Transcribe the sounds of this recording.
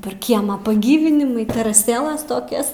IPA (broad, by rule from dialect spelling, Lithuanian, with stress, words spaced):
pʲɛr ˈkʲiɛmɑː pɐˈɡʲiːʋʲɪnʲɪmʊɪ tʲɛrɐˈsʲeːlˠɐs toːˈkʲɛs